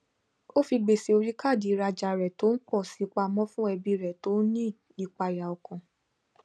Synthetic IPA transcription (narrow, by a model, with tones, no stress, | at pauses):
o˦fi˧ɡ͡be˨se˨˧o˧ɾi˦ka˦˨di˨˦˧ɾa˧d͡ʒa˧ɾɛ˨to˦n̩˦k͡pɔ˦˨si˨˦˧k͡pa˧mɔ̃˦fũ˦ɛ˧bi˧ɾɛ˨to˦nĩ˦ | i˧k͡pa˧ja˨ɔ˨kɔ̃˨